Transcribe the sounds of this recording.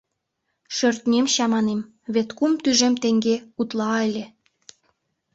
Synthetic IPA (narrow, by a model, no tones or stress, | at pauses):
ʃørt̪nʲemɕɑmɑnem | βet̪kumt̪yʒemt̪eŋɡeut̪lɑelʲe